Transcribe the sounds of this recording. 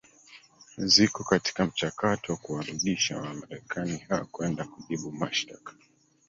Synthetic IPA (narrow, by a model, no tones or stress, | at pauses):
zikɔkati̥kam̩t͡ʃakatɔwakuwaɾuɗiʃa̰wamaɾɛkʰanihakwɛndakuʄiɓumaʃtakḁ